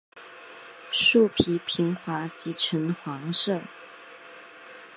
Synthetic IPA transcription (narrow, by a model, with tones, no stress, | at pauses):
ʂu˥˩pʰi˧˥pʰi˧˥ŋxwa˧˥t͡ɕi˧˥ʈ͡ʂʰə˧˥nxwɑ˧˥ŋʂɤ˥˩